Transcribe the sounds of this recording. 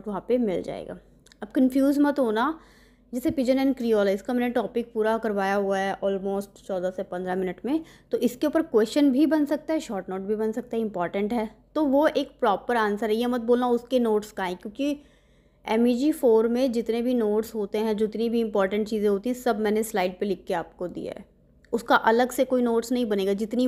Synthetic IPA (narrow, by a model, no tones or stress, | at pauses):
ʈʋɐɦãpemɪld͡ʒa̰ːḛːɡa̰ː | ɐb̚kə̃nfjuːzmɐt̪ɦoːna | d͡ʒɛːsepid͡ʒənɛːnkɾiɔːlɛɪskamɛːneʈɔːpɪk̚puːɾakɐɾʋaːjaɦʊaɦɛʔɔːlmoːsʈt͡ʃɔːd̪asepɐ̃nd̪ɾamɪnəʈmẽt̪oʔɪskeʊpəɾkwɛːst͡ʃənbʱibɐnsɐk̚t̪aɦɛʃɔːʈnoːʈ̚bʱibɐnsɐk̚t̪aɦɛɪ̃mpɔːɾʈə̃ɳʈɦɛːt̪oʋoeːk̚pɾɔːpəɾaːnsəɾɦɛjeɦmɐt̪̚boːlnaʊskenoːʈskaɛ̃kjõːki | ɛːmid͡ʒifoːɾmẽd͡ʒɪt̪nebʱinoːʈsɦoːt̪eɦɛ̃d͡ʒoɪt̪nibʱiɪ̃mpɔːɾʈə̃ɳʈ̚t͡ʃiːzẽɦoːt̪iɦɛ̃sɐbmɛ̃ːneslaːɪɖ̚pelɪkːeaːp̚kod̪ḭa̰ɦɛ̰ː | ʊskaʔɐləɡsekoːinoːʈsnɐɦĩbɐneːɡad͡ʒɪt̪ni